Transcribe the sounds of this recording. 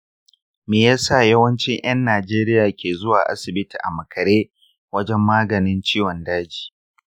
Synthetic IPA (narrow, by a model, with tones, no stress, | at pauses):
meː˨jaː˦sa˦˨jɐ˦wɐ˦nt͡ʃɪ˦ŋj̰ɐ˦nːaː˨d͡ʒeː˦ɾɪ˦jaː˨kʲeː˨zʊ˦waː˨ʔa̰˦sɪ˨bɪ˦tiː˨ʔa̰˨mɐ˨kʰɐ˨ɾeː˦ | wɐ˦d͡ʒɛ˦mːaː˦ɡɐ˨nɪ˦nt͡ʃiː˦wɔ˨ndaː˦d͡ʒiː˨